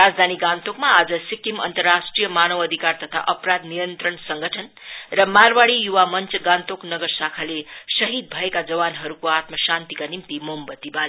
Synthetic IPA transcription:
ɾad͡zd̪ʱaniɡãnt̪okmaːd͡zʌsikimʌ̰nt̪ʌrːasʈrijʌmanʌwʌd̪ʱikart̪ʌt̪ʰa̰ʔʌpɾad̪nijʌnt̪ɾʌnsʌŋɡʱʌʈʰʌn | rʌmarwaɽijuwamʌnt͡sʌɡãnt̪oknʌɡʌrsakʰalesʌɦid̪̚bʱʌekad͡zʌbanɦʌɾukoat̪mʌsant̪ikanimt̪imombʌt̪ibale

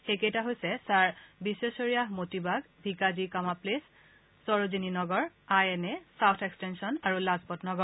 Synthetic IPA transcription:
xekejtaɦojsɛsaɹbisesoɹijaɦmotibaɡ | bʱikazikamaplesː | ɔɹozininɔɡɔɹ | ajɛnɛsawtʰekstensɔnaɹulazpɔtnɔɡɔɹ

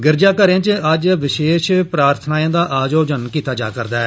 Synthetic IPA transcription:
ɡɪɾd͡ʒaːkəɾẽːt͡ʃəd͡ʒʋɪʃeːʃpɾaːɾt̪ʰnaːjãːd̪aːʔaːd͡ʒoːd͡ʒənkiːt̪aːd͡ʒa̰ːkəɾd̪aːɛː

